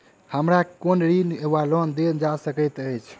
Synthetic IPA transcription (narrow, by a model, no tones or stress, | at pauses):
həmɾakonɾineʋalɔnd̪end͡ʒasəkəjt̪əjt͡ʃʰ